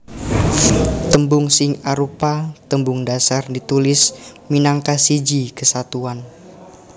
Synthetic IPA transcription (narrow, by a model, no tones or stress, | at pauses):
t̪əmbʊŋsɪŋaɾupat̪əmbʊŋdasardit̪ulɪsminaŋkasid͡ʒikəsat̪uan